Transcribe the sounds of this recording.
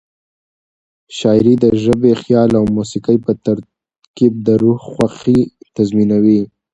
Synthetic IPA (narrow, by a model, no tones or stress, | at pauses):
ʃɑjɾid̪əʒəbexjɑlawmusikəjpət̪aɾ | kib̚d̪əɾuhxwaxit̪azminawi